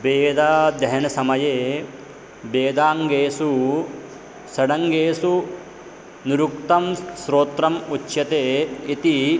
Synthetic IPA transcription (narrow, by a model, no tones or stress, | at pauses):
beːd̪aːd̪ɐɦɐnɐsɐmɐjeː | beːd̪aːŋɡeːsu | sɐɽɐŋɡeːsu | niɾukt̪ɐmsɾoːt̪ɾɐmut͡ʃːjɐt̪eːit̪i